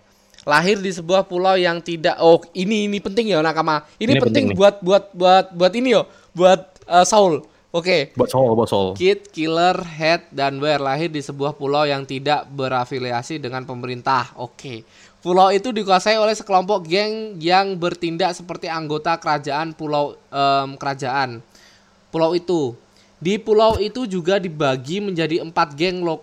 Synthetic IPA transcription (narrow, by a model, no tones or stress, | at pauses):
laɦɪrdisəbuahpulawjaŋt̪idaʔoiniːnipənt̪ɪŋjanakamainipənt̪ɪŋbuat̪̚buat̪̚buat̪̚buat̪inijo | buat̪̚ | əsaʊl | okebuasalbuat̪saʊ̰lkɪt̪̚kilərɦɛt̪̚danwɛrlaɦɪrdisəbuahpulawjaŋt̪idaʔbəɾafiliasidəŋanpəməɾint̪aho̰ke | pulawit̪udikuasaiolɛhsəkəlɔmpɔk̚ɡɛŋjaŋbərt̪indaʔsəpərt̪iaŋɡot̪akəɾad͡ʒaʔanpulawəmkəɾad͡ʒaʔan | pulawit̪u | dipulawit̪ud͡ʒuɡadibaɡiməɲd͡ʒadiəmpat̪̚ɡɛŋlo